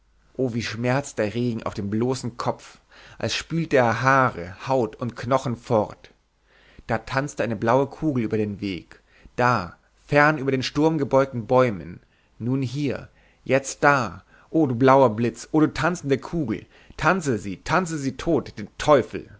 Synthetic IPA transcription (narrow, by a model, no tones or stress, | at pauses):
ʔoːviːʃmɛɐt͡sd̥eːɐʁeːɡŋ̩ʔa̰ʊfd̥eːmbloːsn̩kʰɔp͡f | ʔa̰lsʃpyːltəeːɐɦaːʁəhaʊtʊntknɔχn̩fɔʁt | d̥aːtʰant͡stəʔaɪnəblaʊəkʰuːɡl̩ʔyːbɐdeːnveːk | d̥aː | fɛɐnʔyːbɐɾeːnʃtʊɐmɡəbɔʏk̚tn̩bɔʏmənː | uːnɦiːɐ | jɛt͡st̚d̥aː | ʔoːduːblaʊɐblɪt͡sʔoːɾuːtʰant͡sn̩dəkʰuːɡl̩ | tʰant͡səziːtʰant͡səziːtʰoːtd̥eːntʰɔʏfl̩